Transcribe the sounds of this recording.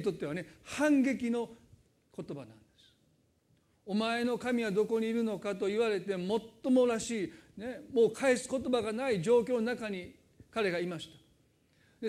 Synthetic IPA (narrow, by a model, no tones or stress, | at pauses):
t̪o̞t̪ːe̞ane̞hãŋɡe̞kʲino̞ | ko̞t̪o̞banã̰nd̪̥esɨ̥ | o̞mae̞no̞kamʲiβad̪o̞ko̞ɲ̟iːɾɯ̟no̞kat̪o̞iβaɾe̞t̪e̞mo̞t̪ːo̞mo̞ɾaɕiːne̞mo̞ːkʰaesɨ̥ko̞t̪o̞baɡanaid͡ʑo̞ːkʲoːnonakaɲ̟i | kaɾe̞ɡaimaɕi̥t̪ḁ | d̪e